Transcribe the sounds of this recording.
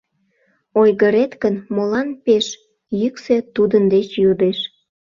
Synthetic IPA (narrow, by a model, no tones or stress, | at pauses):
ojɣəɾet̪kənmolɑnpeʃ | jykset̪ud̪ənd̪et͡ɕjod̪eʃ